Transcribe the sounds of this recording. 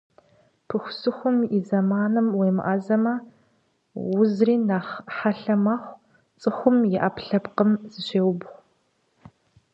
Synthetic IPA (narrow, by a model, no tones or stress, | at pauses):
pʰɨxʷʊsɨxʷʊmizɐmaːnɨmweːmɨ̰ʔaːzɐmɐ | wʊzriːnaːχħaɬɐmaχʷ | t͡sʼɨxʷʊmjɪʔaːpʰɬɐpqəmz̥ɨɕeːwʊbʁʷ